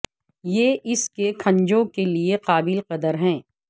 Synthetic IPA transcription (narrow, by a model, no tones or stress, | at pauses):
jeʔɪskekʰɐ̃ɲd͡ʒõkelieqaːbɪlqɐd̪əɾɦɛ̃ː